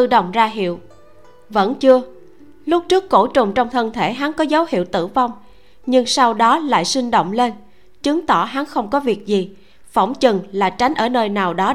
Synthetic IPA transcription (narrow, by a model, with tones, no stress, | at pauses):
ɨ˧ɗə˧˨wŋ͡mzaː˧ɦḭ˧˨əw | və̰˧˥nt͡ɕɨ˧ə | lʊ˦˥k͡p̚t͡ɕɨ˦˥əkːo˧˩t͡ɕʊ˨˩ŋ͡mt͡ɕɔ˧wŋ͡mt̪ʰə˧nt̪ʰe˧˩ɦa˨˦nkɔ˨˦zə˨˦whḭ˧˨əwt̪ɨ̰˧˩va˧wŋ͡m | ɲɨ˧ŋsa˧wɗɔ˨˦la̰ː˧˨jswi˧ŋ̟ɗo̰˧˨wŋ͡mle˧n | t͡ɕɨ˨˦ŋt̪ɔ˧˩ɦa˨˦nxə˧wŋ͡mkɔ˨˦vi˨˩ək̚zi˨˩ | fɔ˧˩wŋ͡mt͡ɕɨ˨˩ŋlaː˨˩t͡ɕa˨˦jŋ̟ʔəː˧˩nəː˧jnaː˨˩wɗɔ˨˦